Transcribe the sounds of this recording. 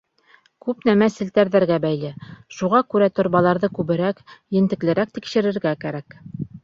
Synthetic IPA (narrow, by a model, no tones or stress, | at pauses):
kʉpnæmæsɘ̆lt̪æɾðæɾɡæbæjlɘʃuʁɑkʉɾæt̪ŏɾβɑlˠɑɾðɤkʉβɘ̆ɾækjɘ̆nt̪ɘ̆klɘ̆ɾæk̚t̪ikʃɘ̆ɾɘ̆ɾɡækæɾæk